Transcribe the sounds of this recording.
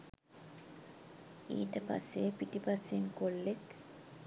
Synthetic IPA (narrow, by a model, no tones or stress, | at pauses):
ḭːʈəpa̰sːepiʈipasːenkolːek